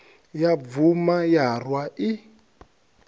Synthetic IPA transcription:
javumajarwaʔi

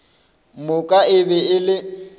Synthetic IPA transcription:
mʊkʼaɪbɛɪlɪ

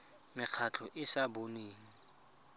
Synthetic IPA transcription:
mɪq͡χʰat͡ɬʰɔʔɪsaboneːŋ̩

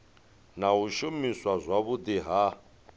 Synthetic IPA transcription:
naɦuʃumiswazʷaβud̪iɦa

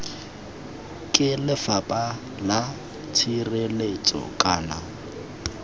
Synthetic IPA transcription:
kʼɪlɪfapʼa | la | t͡sʰirelet͡sʼɔ̰kʼaːna

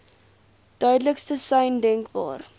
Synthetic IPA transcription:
d̥œɥdləkstəsɛjndɛŋkbɑ̰ːr

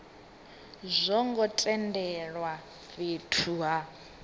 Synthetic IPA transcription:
zʷɔŋɡɔtʼɛndɛɺwa | βetʰuɦa

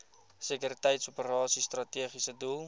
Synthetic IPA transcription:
sikyɾitəjtsupəɾɑːsist̪rɐtiəχisədulˠ

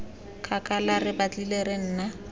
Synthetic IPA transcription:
kʰʼakʼalarɪbat͡ɬʼileɾen̩ːna

